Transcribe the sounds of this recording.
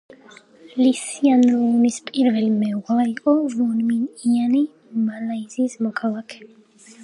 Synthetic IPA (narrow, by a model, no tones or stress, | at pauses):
lisianɔnispʼiɾvɛlmɛʁaiqʼɔvɔnminiani | malaizismɔkʰalˠakʰɛ̥